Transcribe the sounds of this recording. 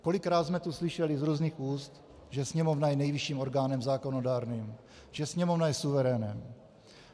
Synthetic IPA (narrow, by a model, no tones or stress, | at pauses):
ko̞lɪkɾaːt̪zmɛt̪uslɪʃɛlɪzɾuːzniːxuːst̪ | ʒɛsɲɛmovnajɛnɛjvɪʃiːmo̞ɾɡaːnɛmzaːkonodaːɾniːm | ʒ̥ɛsɲɛmovnajɛsuvɛɾɛːnɛ̰m